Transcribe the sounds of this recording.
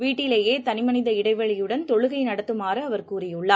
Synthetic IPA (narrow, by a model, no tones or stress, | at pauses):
ʋiːʈːɪleːjeːt̪ɐnɪmɐnɪðɐɪɽɐɪʋɐɭɪjɯɽɐnt̪ɔɻɯɣɐɪnɐɽɐt̪ːɯmaːɾɯɐʋɐɾkuːrɪjɯɭːaː